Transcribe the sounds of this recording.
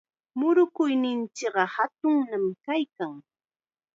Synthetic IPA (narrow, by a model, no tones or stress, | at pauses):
mʊɾʊkʊjnɪnt͡ʃɪkɢɑhat̪ʊŋnamkajkaŋ